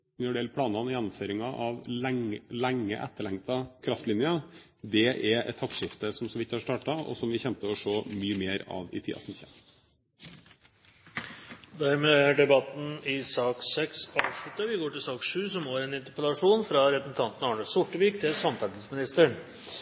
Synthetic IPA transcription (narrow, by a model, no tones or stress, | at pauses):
nɔɖeːlpʰɽɑːnɑnjɛnːʊmføːɾɪŋɑʔɑʋŋlæŋːə̰ʔɛ̰t̪ːəɭɛŋt̪ɑkʰɾɑft̪lɪnjɑ | d̪ɛʔɛɾɛ̰t̪ʰːɑkʂɪft̪əsɔmsɔʋɪt̪ːhɑʂt̪ɑːʈɑɔ̰sɔmʋɪçɛmt̪əɔʂoːmyːəmeːɾɑ̰ʋɪ̰t̪ʰḭːɑ̰sɔmçɛ̰n | d̪æɾmeːæɖɛbɑt̪n̩ɪsɑːksɛksɑːʋʂlʉt̪ːəʋɪɡoːʈɪlsɑːkʂʉːsɔmoːɾɛnɪnt̪əɾpəlɑʂuːnfɾɑɾɛpɾəsn̩t̪ʰɑnt̪n̩ɑːɳəsʊʈːəʋiːkt̪ʰɪlsɑmt̪ʰæt̪ɪsmɪnɪst̪əɳ